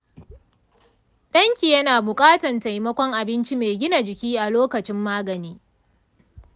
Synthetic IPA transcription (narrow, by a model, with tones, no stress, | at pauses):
ɗɐ˦ŋkʲi˨jɐ˦naː˨bʊ˨kʼaː˦tɐ˨nta˨jmɐ˦kʷɔ˦ŋʔa˨bɪ˦nt͡ʃi˦meː˨ɡʲɪ˦na˨d͡ʒɪ˨kʲiː˦ʔa˨loː˦kɐ˨t͡ʃɪ˦mːaː˦ɡɐ˨niː˦